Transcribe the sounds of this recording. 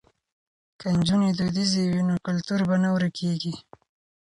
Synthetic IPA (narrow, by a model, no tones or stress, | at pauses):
kand͡ʒuned̪ud̪izewinokʊlt̪uɾbanawɾakʰeɡi